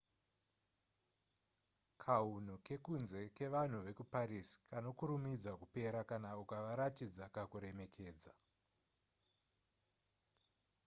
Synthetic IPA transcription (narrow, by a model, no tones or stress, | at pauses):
kʰaun̤uke̞kunze̞ke̞ʋan̤uʋe̞kupaɾisi̥kano̞kuɾumid͡zakupe̞ɾakanaukaʋaɾatid͡zakakuɾe̞me̞kʰe̞ːd͡za